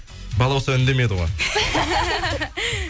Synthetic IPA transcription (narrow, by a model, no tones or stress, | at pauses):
bɑlˠɑwsɑɪnd̪e̞me̞d̪ɪʁoj